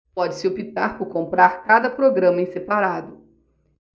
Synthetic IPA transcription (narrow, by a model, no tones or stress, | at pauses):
pɔd͡ʒɪsɪopit̪aɾpʊɾkõmpɾaɾkad̪ɐpɾoɡɾɐ̃mɐẽsepaɾad̪ʊ